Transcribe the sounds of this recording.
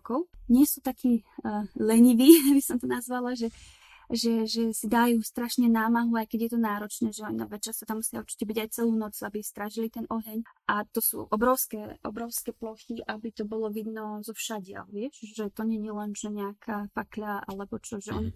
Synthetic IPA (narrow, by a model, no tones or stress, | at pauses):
kɔʊɲɪɛsuːt̪akʰiːlɛɲiʋiːbisɔmt̪ɔnazʋalaʒɛ | ʒɛʒɛsid̪ajuːst̪ɾaʃɲɛnaːmaɦuajkɛɟjɛt̪ɔnaːɾɔt͡ʃnɛːʒɛɔnɔʋɛt͡ʃast̪ɔt̪amːusɪauɾt͡ʃi̥cɛbiɟajt͡sɛluːnɔt͡suabist̪ɾaʒilit̪ɛnʔɔɦɛɲʔat̪ɔsṵːʔɔbɾɔʊskɛʔɔ̰bɾɔʊskɛplɔxiʔabit̪ɔbɔlɔʋid̪nɔzɔfʃaɟɪa̰lʋɪɛʃʒɛt̪ɔɲɛɲilɛnʒɛɲɛakʰafakʎaa̰lɛbɔt͡ʃɔʒɛʔɔɲi